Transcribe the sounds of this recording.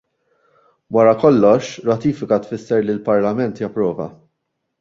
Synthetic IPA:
wɐɾɐkɔlːɔʃɾɐt̪iːfɪkɐt̪fɪsːɛɾlilpɐɾlɐmɛnt̪jɐpːɾɔːvɐ̰

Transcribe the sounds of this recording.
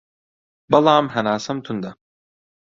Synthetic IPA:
balˠaːmɦanaːsamt̪ʰund̪a

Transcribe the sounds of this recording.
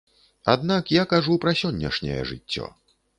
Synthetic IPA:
a̰d̪nakjakaʐupɾɐsʲɔnʲːɐ̰ʂnʲɛ̰jɛ̰ʐɨt͡sʲːɔ̰

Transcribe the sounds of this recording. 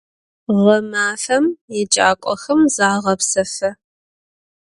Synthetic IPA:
ʁɐmaːfɐmjɛd͡ʒʼa̰ːkʷʼɔxɐmzaːʁɐpsɐfɐ

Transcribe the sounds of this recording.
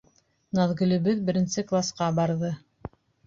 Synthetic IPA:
nɑðɡɵ̆lɘ̆βɘðbɘ̆ɾɘ̆nsɘklˠasqɑbɑɾðɤ

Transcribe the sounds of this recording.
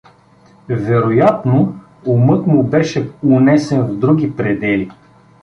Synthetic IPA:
vɛɾojat̪no | ʊmɤt̪mʊbɛʃɛʊnɛsɛnvd̪ɾuɡʲipɾɛd̪ɛli

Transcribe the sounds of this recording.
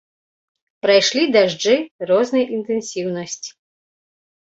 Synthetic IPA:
pɾajʂlʲid̪aʐd͡ʐɨrɔznɐjʔint̪ɨnsʲiwnɐsʲt͡sʲi̥

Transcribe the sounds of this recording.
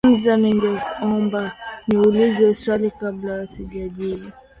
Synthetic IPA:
n̩zanɛŋɡɛɔmbaniulizɛswalikablaasiʄaɗili

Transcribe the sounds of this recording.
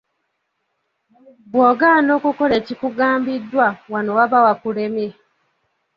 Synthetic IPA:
bwoːɡano̞ːkukole̞ːcikuɡaːmbidːwawanowaβawakulemje

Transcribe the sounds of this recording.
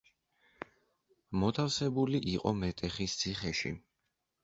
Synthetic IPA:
mɔt̪ʰafsɛbuliʔiqʼɔ̰mɛt̪ʼɛχist̪sʰiχɛʃḭ

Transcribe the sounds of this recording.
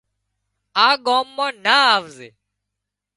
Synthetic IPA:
aːɡoːmːãːnaːaːʋzeː

